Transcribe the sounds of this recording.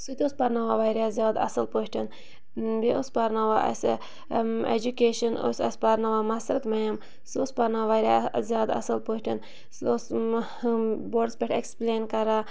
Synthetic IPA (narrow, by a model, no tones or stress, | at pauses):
sut̪ʲospɐɾnaʋaʋaːjɾʲjaːzʲjaːd̪ɐ̰sɐlpoːʃʈʰɐn | biʔospɐɾnaʋaʔɐ̰s | ḛd͡ʒukeːʃɐno̰sɐ̰spɐɾnaʋaːmɐsɾɐt̪mɐjɐm | sospɐɾnaʋaːɾʲazjaːd̪ɐ̰sɐlpoːʃʈʲʰɐn | sos | boːɖsbʲeʈʰekspleːnkɐɾaː